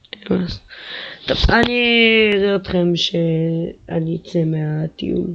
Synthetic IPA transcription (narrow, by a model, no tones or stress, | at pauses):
emast̪ovaniʁeot̪χemʃea̰nit͡semeat̪ḭṵl